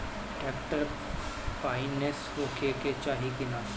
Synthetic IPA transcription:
ʈɛːkʈəɾ | faːɪneshoːkeket͡ʃaːɦikɪnaː

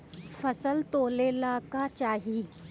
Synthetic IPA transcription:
fɐsəlt̪oːlelaːkat͡ʃaːɦi

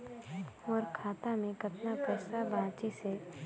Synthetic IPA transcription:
ɔːɾkʰaːt̪amẽkɐt̪napɛːsabãːt͡ʃise

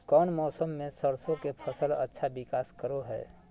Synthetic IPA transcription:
kɔːnmɔːsəmːẽsəɾsõkepʰəsələ̰tːʃʰabɪkaːskəɾoɦɛ̰ː

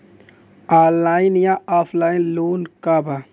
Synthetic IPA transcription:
aːlːaːinjaaːpʰlaːinloːnkaba

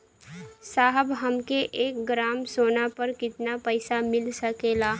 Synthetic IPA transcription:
saːɦəbɦəmkeʔeːk̚ɡɾaːmsoːnapəɾkɪt̪napəɪsamɪlsəkelaː

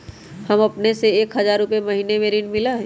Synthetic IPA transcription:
hɐmɐpneseeːkɦɐzaːɾupemɐɦiːnemeːɾiːnmɪlaɦɛː

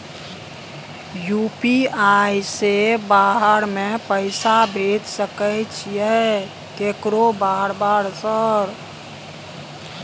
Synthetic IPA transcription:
jupiajsebaɦəɾmepəɪsabʱed͡ʒsəkəjt͡ʃʰjɛ | kekɾobaɦəɾbaɾsəɾ

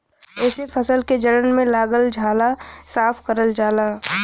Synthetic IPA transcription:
ɛːsepʰəsəlked͡ʒəɾənmẽlaːɡəld͡ʒʱaːlasaːpʰkəɾəld͡ʒaːlaː

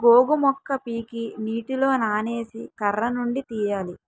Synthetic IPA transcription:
ɡoːɡumɔkːɐpiːkiniːʈilo̞ːnaːne̞ːsikɐɾːɐnuɳɖit̪iːjaːli

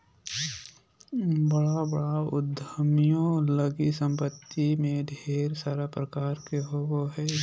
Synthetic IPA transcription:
bəɽabəɽaʊ̰d̪ʱəmjõləɡisə̃mpət̪ːimẽd̪ʱeːɾsaːɾapɾəkaːɾkeɦooɦɛː

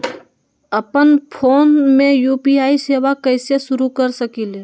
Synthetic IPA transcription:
ɐpənpʰoːnmẽjuːpiaːiseːʋakɐːseʃʊɾukɐɾsɐkiːle

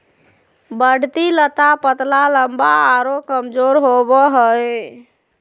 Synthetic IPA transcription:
bəɽ̤t̪ilət̪apət̪laləmbaːɾokəmd͡ʒoɾɦobəɦəj

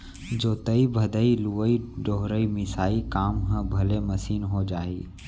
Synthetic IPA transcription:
d͡ʒoːt̪ɐibʱɐd̪əiluʋəiɖoɦɾəimɪsaːikaːmɦə̃bʱɐlemɐsiːnɦod͡ʒaːḭː

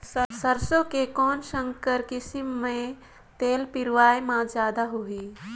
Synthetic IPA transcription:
ssəɾsõkekɔːnʃə̃ŋkəɾkɪsimːẽ | t̪eːlpɪɾʋaːjmãzjaːd̪aɦui

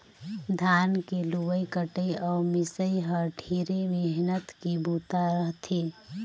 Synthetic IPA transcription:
d̪ʱankeluʋəjkəʈəjɔːmɪsəjɦəɾɖʱʰiɾemeɦnət̪kibʱut̪aɾəɦt̪ʰi

